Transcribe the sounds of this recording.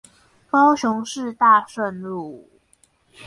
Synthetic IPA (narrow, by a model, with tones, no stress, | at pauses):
kɑ˦ʊɕʊ˧˦ŋʂɻ̩˥˧t̪a˥˨ʂə˥˧nlu˥˨˩